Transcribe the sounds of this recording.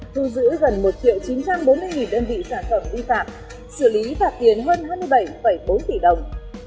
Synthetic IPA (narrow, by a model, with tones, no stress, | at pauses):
t̪ʰu˧zɨ̰˧˥ɣə˨˩nmo˨˩t̚t͡ɕḭ˧˨əwt͡ɕi˨˦nt͡ɕa˧mɓo˨˦nmɨ˧əjŋi˨˩nɗəː˧nvḭ˧˨saː˧˩nfə˧˩mvi˧faː˨˩p̚ | sɨ˧˩li˨˦vaː˨˩t̚t̪i˨˩ənɦəː˧nhaː˧jmɨ˧əjɓə˧˩jfə˧˩jɓo˨˦nt̪i˧˩ɗə˨˩wŋ͡m